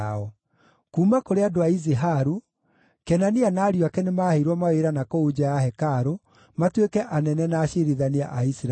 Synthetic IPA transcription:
ɔ | kuːmakoɾeadoaizeɦaɾu | kɛnanianaːɾjwakɛnemaːheiɾwɔmaweɾanakoud͡ʑajahɛkaɾo | matwekɛʔanɛnɛnaɕeɾiðania̰ʔaisɾ

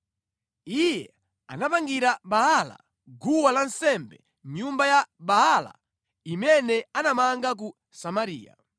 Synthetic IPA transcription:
ijɛ | a̰napaŋɡiɾaɓaɦala̰ | ɡuwalansɛmbɛ | m̩ɲumbajabaala̰ | imɛnɛanamaŋɡak̬u | samaɾḭːja̰

